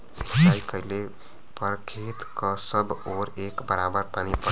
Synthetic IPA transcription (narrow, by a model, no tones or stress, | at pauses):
si̥kt͡ʃajkəɦle | pəɾkʰet̪kəsəbʱoɾekbəɾabəɾpanipə